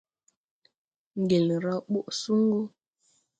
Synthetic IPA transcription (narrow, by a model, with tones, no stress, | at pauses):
ŋ̩˨ɡe˨lɾa˦ɓu˦ʔsu˦ŋ˦ɡo˦